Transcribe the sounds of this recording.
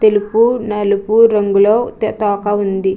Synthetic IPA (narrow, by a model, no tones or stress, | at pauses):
t̪elupunɐlupuɾɐŋɡuloːt̪t̪ɔːkɐund̪i